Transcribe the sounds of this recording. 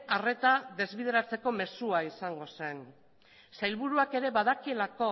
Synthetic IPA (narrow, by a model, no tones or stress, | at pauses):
are̞t̪aðe̞zβið̞eɾat͡se̞ko̞me̞suaisaŋɡo̞se̞n | sajlβuɾuake̞ɾe̞βað̞akie̞lako̞